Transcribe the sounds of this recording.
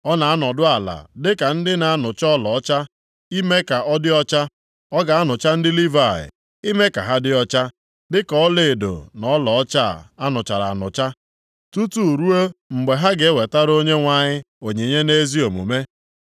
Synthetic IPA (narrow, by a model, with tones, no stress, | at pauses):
ɔ˦na˨a˦nɔ˨dʊ˦a˨la̰˨dɪ˦ka˨n̩˦dɪ˦na˨a˦nʊ˨t͡ʃɔ˦lɔ˨ɔ˦t͡ʃa˦ | i˦me˦ka˨ʔɔ˦dɪ˦ɔ˦t͡ʃa˦ | ɔ˦ɡa˨a˦nʊ˨t͡ʃa˦n̩˦dɪ˦li˦va˦˨ɪ̰˨ | i˦me˦ka̰˨ɦa˦dɪ˦ɔ˦t͡ʃa˦ | dɪ˦kɔ˦le˨do̰˨nɔ˦lɔ˨ɔ˦t͡ʃa˦˨a˦nʊ˨t͡ʃa˨ɾa̰˨a˨nʊ̰˨t͡ʃa˦ | tu˦tu˦˨ɾu˦o˦ŋ͡m̩˨ɡ͡be˨ɦa˦ɡe˨˦we˨ta˦ɾo˦ɲe˦ŋʷa˨ɲɪ˦ | o˨ɲe˨ɲe˦ne˦zi˦o˨mṵ˨me˦